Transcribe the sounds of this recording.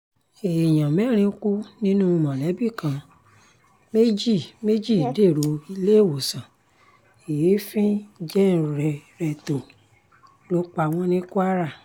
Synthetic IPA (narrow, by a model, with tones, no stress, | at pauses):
e˨j̃ã˨mɛ˦ɾ̃ĩ˧˦ku˦nĩ˦nũ˦˧mã˨lɛ˨˦bi˦˨kã˧ | me˦d͡ʒi˦˨me˦d͡ʒi˦˨˦de˦˨ɾo˨i˧le˦˨wo˨sã˨ | e˨je˨˦fĩ˦d͡ʒɛ˦n˨ɾɾɛ˨ɾɛ˧to˨ | lo˦k͡pa˧˨w̃ɔ̃˧˦nĩ˦ku˦a˦ɾa˦˨